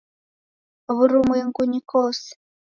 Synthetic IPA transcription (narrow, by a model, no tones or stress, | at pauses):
βuɾumwɛŋɡuɲikɔːsɛ̥